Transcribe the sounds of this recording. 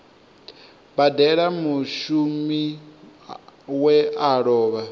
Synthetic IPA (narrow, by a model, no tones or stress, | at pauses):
badɛɺamuʃumi | wɛaɺɔːβa